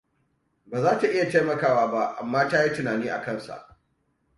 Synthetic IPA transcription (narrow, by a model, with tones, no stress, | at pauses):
baː˨zaː˦ta˨ʔɪ˦ja˨teː˦mɐ˨kaː˦waː˦ba˦ʔa˨mːaː˦taː˦ji˦tʊ˨naː˨niː˦ʔa̰˨kɐ˦˨nsa̰˨ʔ